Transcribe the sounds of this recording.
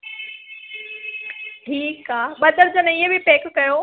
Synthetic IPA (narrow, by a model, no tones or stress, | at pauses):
ʈʰiːkaːɓɐd̪əɾd͡ʑənɪɦəbʱipeːkːɐjoː